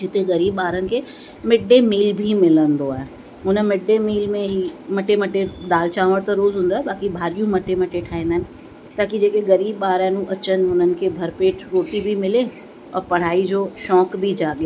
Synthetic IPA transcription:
d͡ʑɪt̪eɡɐɾiːbɓaːɾənɪ̆kʰeː | mɪɖemiːlbʱimɪlə̃nd̪oaːɦe | ʊnəmɪɖemiːlmẽɦimɐʈːemɐʈeɗ̪aːlt͡ɕãːʋəɽt̪ɐɾoːzɦũːn̆d̪aːɦebaːkibʱaːɾijũmɐʈːemɐʈeʈʰaːĩːnd̪aɦnɪ̆ | t̪aːkid͡ʑeːkeɡɐɾiːbɓaːɾəːnũʔɐt͡ɕənɪ̆ʊn̤ənɪ̆kʰeːbʱɐɾpeːʈʰɾoːʈibʱimɪle | ɔːɾpɐɽ̤aːid͡ʑoːʃɔːkbʱid͡ʑaːɠe

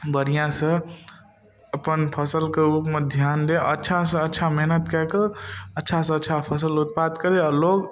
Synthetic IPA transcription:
bəɾijãsə̃ | əpənpʰəsəlkeupmed̪ʱjaːnd̪eʔətːʃʰasə̃ətːt͡ʃʰamɛɦnət̪kɛɦkəətːʃʰasə̃ətːt͡ʃʰapʰəs̬əlut̪̚pat̪kəɾeɔɾloːɡ

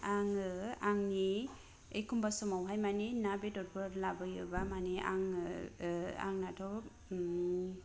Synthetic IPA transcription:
aŋɯaŋni | ejkʰumbasɔmawɦajmaninabedɔɾbɯɾlabɯjɯbamania̰ŋ | a̰ŋnatʰɔ

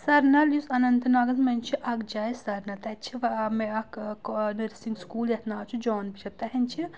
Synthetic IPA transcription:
sɐɾnɐljusɐnɐnt̪ɐnaːɡɐzmɐnʲt͡ʃʰiʔɐkd͡ʒɐːjsɐɾnɐt̪ɐt͡ʃʰiʋɐmeɐknɐɾsiŋɡskuːljɐt̪ʰnaːt͡ʃʰud͡ʒɔːnbit͡ʃʰɐt̪ɐɦɐnʲt͡ʃʰi

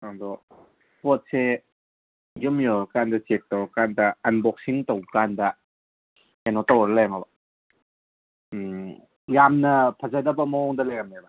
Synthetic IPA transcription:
adɔ | pɔt̚se | jɯmjɔɾɐkandɐsek̚tɐwɾɐkandɐɐnbɔk̚siŋtowkandɐ | enotɐwɾɐlajamabɐ | jamnɐpʰɐzadɐbɐmɐɔŋdɐlajɡamabɐ

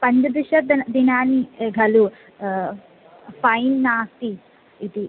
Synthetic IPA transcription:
pɐɲd͡ʒɐd̪uʃɐd̪ɐd̪inaːniɡʱɐlu | fɐjnːaːst̪i | it̪i

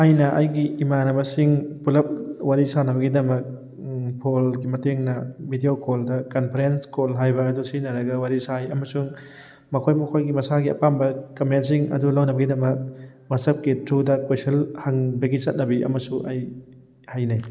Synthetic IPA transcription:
ajnɐʔajɡiːmanɐbɐsiŋpulɐp̚waɾisanɐbɐɡidɐmɐk̚ | pʰolɡimɐteŋnɐbidiokoldɐkɐnpʰɐɾenskolɦajbɐːdusinɐɾɐɡɐwaɾisajɐmɐsuŋ | mɐkʰojmɐkʰojɡimɐsaɡiɐ̰pambɐkɐmentsiŋɐ̰dulawnɐbɐɡidɐmɐk̚ | wɐsɐp̚kitʰɾudɐkojsɐlhaŋbɐɡisɐt̚nɐbiɐ̰mɐsuʔaj | hajnaj

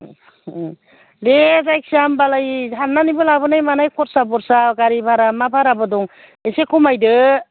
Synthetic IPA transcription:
lezajk̚siambalajɦaɾnːanibɯlabɯnajmanajkʰɔɾsabɔɾsaɡaɾibʱaɾamabʰʱaɾabɯdɔŋ | esekʰumajdɯ

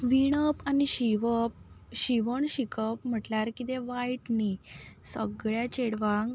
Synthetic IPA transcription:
ʋiɽ̃əpaniɕiʋəp̚ɕiʋəɳɕikəpm̤əʈlaɾkit̪eʋajʈnisəɡɭjat͡ɕeɽʋãŋɡ

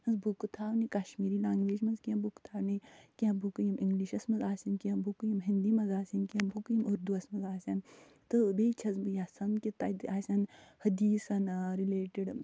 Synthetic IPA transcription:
ɐnzbukut̪ʰaːwnikɐʃmiːɾilaːŋɡʋeːd͡ʒmɐnzkiɐbukt̪ʰaːwnikiɐ̃bukjɐmiŋɡliʃɐsmɐnzaːsʲɐnkiɐbukujimɦind̪imɐzaːsʲɐnkiɐmbukjimuɾd̪uɐsmɐzaːsʲɐn | t̪ɨbeːt͡ʃʰɐzbɨjɐsɐnkit̪ɐd̪aːsʲɐnhɐd̪iːsɐnɾileːʈiɖ

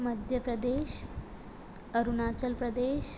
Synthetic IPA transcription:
məd̪ʱjəpɾəd̪eɕ | əɾunat͡ɕəlpɾəd̪eɕ

